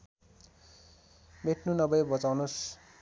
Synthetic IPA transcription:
meʈʰnunʌbʌjbʌt͡sawnos

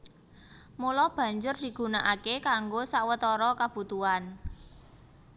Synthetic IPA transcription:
mulɔb̥a̤ɲd͡ʒʊrd̪̥i̤ɡ̥ṳnaʔakekaŋɡosawət̪ɔɾɔkab̥ṳt̪uan

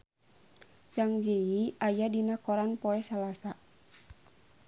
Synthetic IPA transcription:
t͡ʃaŋd͡ʒeiajadinakɔɾanpɔɛsalasa

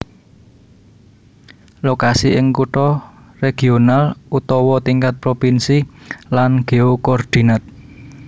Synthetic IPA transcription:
lokasiʔɪŋkuʈɔ | reɡ̥ionalut̪ɔwɔt̪iŋkat̪̚pɾopinsilanɡ̥e̤okɔrd̪̥i̤nat̪̚

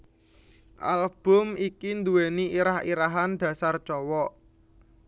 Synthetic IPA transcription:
ʔa̰lb̥ʊ̤mikind̪uweniiɾahiɾaɦand̪̥ä̤sart͡ʃɔwɔʔ

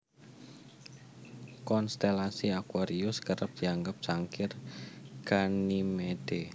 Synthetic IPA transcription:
kɔnst̪elasiakwaɾiʊskəɾəp̚d̪̥i̤aŋɡəp̚ʒ̥aŋkɪrɡ̥animed̪̥e

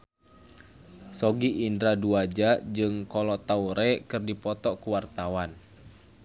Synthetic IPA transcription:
sɔɡiʔːndɾaduad͡ʒad͡ʒɨŋkɔlɔt̪auɾɛkɨrdipɔt̪ɔkuwart̪awan

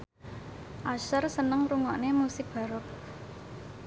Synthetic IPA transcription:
ʔaʃərsənəŋruŋɔʔnemusɪk̚b̥a̤ɾʊt̪̚

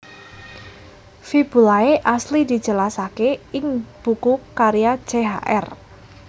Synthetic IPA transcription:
fib̥ṳlaeʔaslid̪i̤d̥ʒ̥ə̤lasakeɪŋb̥ukukaɾijḁʒ̥eɦa̰ʔɛ̰r

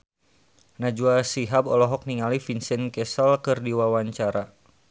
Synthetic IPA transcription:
nad͡ʒuasiɦabɔlɔɦɔk̚niŋalifinsɛnkɛsəlkɨrdiwawaɲt͡ʃaɾa

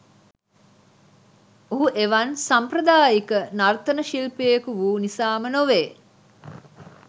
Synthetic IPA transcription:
oɦuʔeʋɐnsampɾəd̪aːjikənart̪ənəʃilpejekuʋuːnisaːmənoʋeː

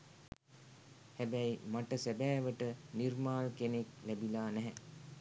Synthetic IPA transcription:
hæbæjmaʈəsæbæːʋəʈənirmaːlkeneklæbilaːnɛɦɛ

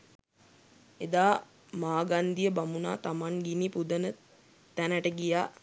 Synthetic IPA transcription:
ed̪aː | maːɡand̪ijəbamuna̰ːt̪amaŋɡinipud̪ənə | t̪ænəʈəɡijaː

